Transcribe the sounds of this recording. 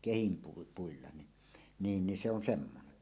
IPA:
puilːɑ ni niːn ni se on semːone

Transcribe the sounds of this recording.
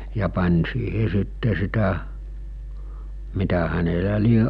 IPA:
jɑ pɑnʲ siːhe sitːe sitæ mitæ hænelæ lie

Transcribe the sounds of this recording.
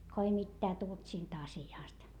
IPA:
ko ei mitːæː tult siːnt ɑsiɑˑst

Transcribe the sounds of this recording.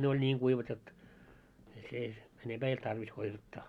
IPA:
ne olʲ nʲiːŋ ɡ̊uiʋɑt jot ei se enemb̥æː ei olt tɑrʋis kuiʋɑtːɑː

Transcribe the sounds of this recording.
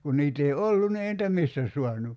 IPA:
kun niːt ei olːun ni ei nitæ mistæ suɑnu

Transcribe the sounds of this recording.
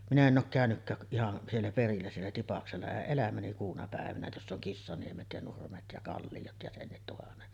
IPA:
minæ en ʔoːk kæˑønykːæːk k ihɑn sielːæ perilːæ sielːæ tipɑkselːɑ eʔ ʔelæmæni kuːnɑ pæˑeʋænæ josː oŋ kisːɑniemet jɑ nurmet jɑ kɑlːijot jɑ senːit tuhɑnːet

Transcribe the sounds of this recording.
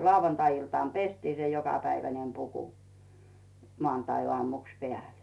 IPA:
lɑuwɑntɑiiltɑˑn pestiː se jokɑpæiʋænem puku moɑˑntɑioɑˑmuks peæˑle̥

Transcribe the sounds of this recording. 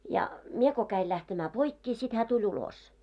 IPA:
jɑ mie ko kæil læhtemæː poikːeː sit hæː tulʲ ulos

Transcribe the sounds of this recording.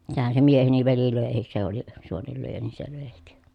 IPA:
sehæn se mieheni ʋeli løˑehis se oli suonelːyøjæ niː se løˑehik

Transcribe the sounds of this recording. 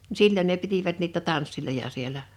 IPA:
nĭ silʲːən ne pitiʋæt niːtæ tɑnsːilojɑ sielæ

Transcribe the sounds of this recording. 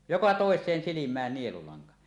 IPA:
jokɑ toˑesˑeːn silimˑæːn nielulɑŋkɑ

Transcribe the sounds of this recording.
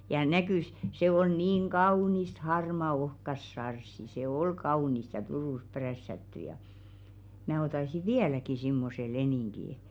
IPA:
jɑ nækyˑs se ol niːŋ ɡ̊ɑunist hɑrmɑ ohkɑs sɑrsːi se ol kɑunist jɑ turuˑs præsːætːy jɑ mæː otɑsi ʋiælæki simːose leniˑŋɡ̊i

